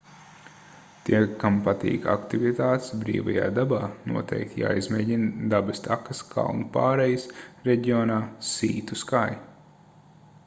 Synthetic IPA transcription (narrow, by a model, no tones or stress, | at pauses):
t̪iɛkampat̪ḭːka̰kt̪ivit̪aːt̪sbɾḭːvaja̰ːd̪abaːnṵɔt̪ʰɛ̰jk̚t̪ja̰ːizmʲeːɟind̪abɨst̪akɐskʰa̰wnupaːɾɛjsɾɛɟiɔːnaːsḭːt̪uskaj